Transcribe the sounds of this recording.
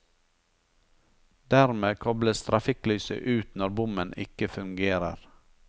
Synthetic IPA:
d̪̥æɾmeːkʰɔbləst̪ɾɑfɪklyːsə̰ʔʉːt̪nɔɾbʊmənɪ̰kəfʉŋɡeːɾə̰ɾ

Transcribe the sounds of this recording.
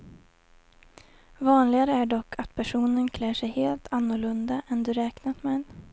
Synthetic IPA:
vɑːnlɪɡaɾəæɖɔkʰːat̪pʰæʂuːnənkʰlæːʂɛjheːlt̪ʰanːʊɭɵnd̪aʔɛnd̪ɵɾɛːknat̪mɛn

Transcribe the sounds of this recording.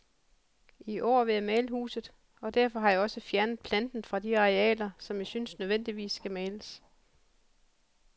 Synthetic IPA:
iʔɒ̰ːʋe̝jɑmɛːləhṵːsð̞̩ˠ | ɒ̽d̥æɐfɒ̽ɦɑ̈jɑ̈ɒ̽səfjæɐnəð̩ˠpʰlænd̥n̩fʁɑ̈diɑ̈ʁeɛ̰ːlɐsɒ̽mjɑ̈synsnøð̞ˠʋen̰d̥iʋḭːsːɡ̥æmɛːləs

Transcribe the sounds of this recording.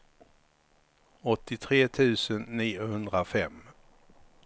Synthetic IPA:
ɔt̪ːɪt̪ʰɾeːt̪ʰʉ̟ːsənːiːʊhɵnd̪ɾafɛmː

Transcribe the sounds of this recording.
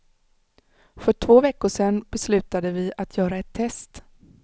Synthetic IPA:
fœʈʰv̥oːvɛkːʊʂɛnːbɛslʉ̟ːt̪ad̪əvɪat̪ʰjœːɾaɛt̪ʰːɛst̪

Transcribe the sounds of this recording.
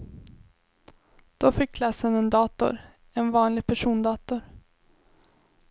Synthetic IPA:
d̪̥ofɪkʰːlɑsənɛnd̪ɑːt̪ʊ̰ɾ | ɛnvɑːnlɪɡpʰæʂuːnd̪ɑːt̪ʊɾ

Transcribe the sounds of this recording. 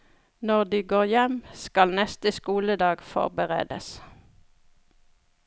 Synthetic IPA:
nɔʁd̪iːɡoːʁjɛmskɑlnɛst̪əskuːləd̪ɑːɡfɔ̰ʁbəʁḛːd̪ə̰s

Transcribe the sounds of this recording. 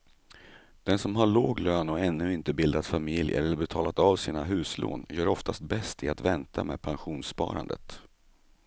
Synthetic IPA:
d̪̥ɛnsɔmɦaɭoːɡløːnɔɛnːɵɪnt̪əbɪld̪at̪famɪljə̰ɛ̰ɾɛlːəɾbɛt̪ʰɑːlat̪avsiːnaɦʉ̟ːslo̰ːnjœːɾɔft̪ʰast̪̚bɛst̪ɪat̪vɛnt̪ʰa̰mɛ̰ːd̪̚pʰanɧuːnspɑ̰ːɾa̰nd̪ə̰t̪

